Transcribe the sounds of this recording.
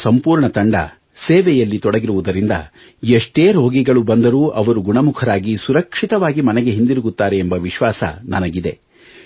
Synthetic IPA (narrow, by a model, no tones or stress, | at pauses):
sɐmpuːɾɳɐt̪ɐɳɖɐ̰ | seːʋɛjɐlːit̪ɔɽɐɡiɾuʋud̪ɐɾind̪ɐ̰ | eʂʈeːɾo̞ːɡiɡɐɭubɐnd̪ɐɾuːʔɐʋɐɾuɡuɳɐmukʰɐɾaːɡisuɾɐkʂit̪ɐʋaːɡimɐnɛɡe̞ɦind̪iɾuɡut̪ːaːɾeːmbɐʋiʃʋaːsɐ̰nɐnɐɡid̪e̞̰